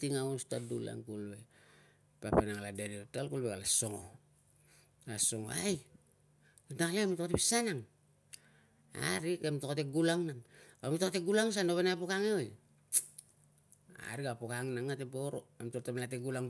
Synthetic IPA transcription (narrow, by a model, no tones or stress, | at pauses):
tiŋaustadula̰ŋkulbe̞ | papenaŋaladeniotalkulbeɡalaso̞ŋo̰ | alaso̞ŋo̰aj | nadaklamitotepisanaŋ | a̰ɾikemtokateɡulaŋnampamitokateɡulaŋs̬anoβenapokaŋeoj | a̰ɾiɡapokaŋnaŋateboɾo̰emtotemlateɡulaŋ